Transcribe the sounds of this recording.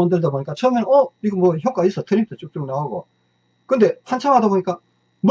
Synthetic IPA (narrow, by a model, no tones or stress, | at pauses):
ʌndɯɭdaboɲik͈at͡ɕʰʌmjʌnnʌiɡɯmːwʌçjʌk͈ais͈ʌtʰɯɾip̚ʰet͡ɕ͈ok̚t͡ɕ͈oŋnaoɡo̰ | kɯnde̞hant͡ɕʰaŋɦadaboɲik͈a | m